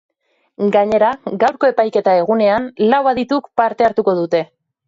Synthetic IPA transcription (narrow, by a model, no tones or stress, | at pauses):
ɡaɲe̞ɾaɡawɾko̞e̞pajke̞t̪ae̞ɣ̞une̞anlawβaðit̪ukpaɾt̪e̞aɾt̪uko̞ðut̪e̞